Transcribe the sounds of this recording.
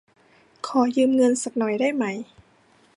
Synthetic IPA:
kʰɔː˩˦jɯː˧mŋɤ˧nsa˨˩k̚nɔ˨˩jda˥˩jma˧˩j

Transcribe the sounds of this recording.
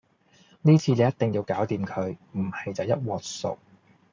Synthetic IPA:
niː˥t͡sʰiː˧ne˨˧jɐ˥t̚t̪ɪ˨ŋjiː˧wkaː˨˥wt̪iː˨mkʰɵ˨˧ɥm̩˨˩hɐ˨jt͡sɐ˨wjɐ˥t̚wɔː˨t̚sʊ̰˨k̚

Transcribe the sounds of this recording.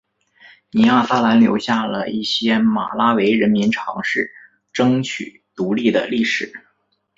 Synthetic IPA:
ni˧˥a˥˩sa˥la˧˥nljo̰˧˥ʊɕja˥˩lə̰˩i˥˩ɕjɛ˥ma̰˨˩la˥we˧˥ɪɻə˧˥nmi˧˥nʈ͡ʂʰɑ˧˥ŋʂɻ̩˥˩ | ʈ͡ʂɤ˥ŋt͡ɕʰy̰˨˩˦ | t̪u˧˥li˥˩d̪ə̰˩li˥˩ʂɻ̩˨˩˦

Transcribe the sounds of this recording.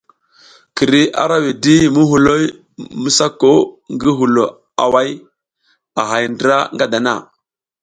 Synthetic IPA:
ki˨ɾi˨a̰˦ɾa˦wi˨di˦mu˦ɦu˨lo˦j | mə˦sa˦ko˦ŋɡi˦ɦu˨lo˨ | a̰˨wa˦j | a˨ɦa˨jndɾa˦ŋɡa˦da˨na̰˦˨

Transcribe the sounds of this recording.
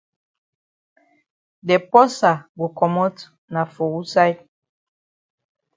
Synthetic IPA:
dɛ˨pɔ˦sa˨bo˨kɔ˨mɔ˦t | na˨fo˨wu˦sa˦jt̚

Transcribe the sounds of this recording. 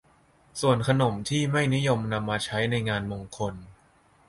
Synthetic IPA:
su˨˩ənkʰa˧no˨˩˦mt̪ʰiː˥˩ma˥˩jni˦˥jo˧mna˧mːaː˧t͡ɕʰa˦˥jna˧jŋaː˧nmoː˧ŋkʰo˧n

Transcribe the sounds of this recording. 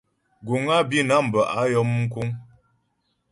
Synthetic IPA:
ɡu˨ŋa˦bi˦na˦m̩˨bə˨ʔa˦jɔ˦m˦ŋ̩˦ku˦ŋ

